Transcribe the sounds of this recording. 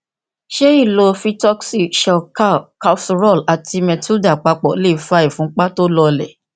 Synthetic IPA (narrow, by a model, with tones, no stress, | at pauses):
ʃe˦i˦˨lo˧fi˦tɔ˦ksi˦˨ʃɛ˨ka˦ka˧fsɾɔ˦˨la˨tʰi˧mɛ˧tʰu˦da˨k͡pa˧k͡pɔ˨le˦˨fa˧˦i˨fũ˦k͡pa˦to˦lɔ˧lɛ̰˨